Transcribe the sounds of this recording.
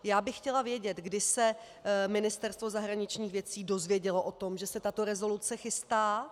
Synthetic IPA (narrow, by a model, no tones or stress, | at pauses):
jaːbɪxxcɛlavjɛɟɛt̪ɡdɪsɛ | mɪnɪst̪ɛɾst̪vo̞zaɦɾaɲɪt͡ʃɲiːxvjɛt͡siːdo̞zvjɛɟɛloʔo̞t̪o̞mʒɛsɛt̪at̪o̞ɾɛzo̞lut͡sɛxɪst̪aː